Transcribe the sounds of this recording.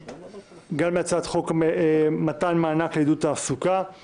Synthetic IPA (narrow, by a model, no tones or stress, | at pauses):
ɡalmeat͡sad̪χokemat̪anmaːnakled̪ut̪aːsuka